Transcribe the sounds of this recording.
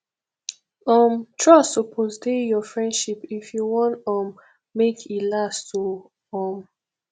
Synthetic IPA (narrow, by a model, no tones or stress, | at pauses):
ɔ̃mtʰɹɔsopʰosdejɔfɹɛ̃ndʃipifjuwɔ̃ntɔ̃mː | ekʰilastu | ɔ̃m